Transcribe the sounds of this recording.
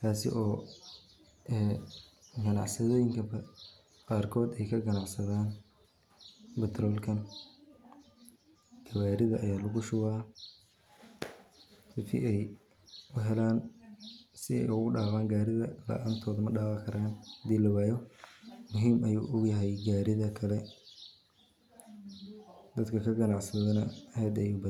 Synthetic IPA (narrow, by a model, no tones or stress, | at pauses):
t̪ʰaːsɪ̰ʔɔː | ɛː | ɡɐnɑ̰ʕsɐðɔːjɪŋkʰɐbɐ | qɑːrkʰɔːd̪ɛjkʰɐɡɐnɑʕsɐðaːn | bɪt̪ʰɾɔːlkʰɐn | d̪̥ʰɐwaːɾɪðɐʔɐjaːlɐɣʊʃʊwaː | sɪfɪ̰ʔɛj | ʔʊɦɛlaːn | sɪɛ̰jʊɣʊɖaːqaːŋɡaːɾɪðɐla̰ːʔɐnt̪ʰɔːðɐmɐɖaːqɑkʰɐɾaːnd̪iːlɐwaːjɔmʊɦiːmɐjṵːʔʊɡjɐɦɛjɡaːɾɪðɐkʰɐlɛ | d̪ɐd̪kʰɐkʰɐɡɐnɑʕsɐðɐnɐhɛːd̪ɐjuːbɐ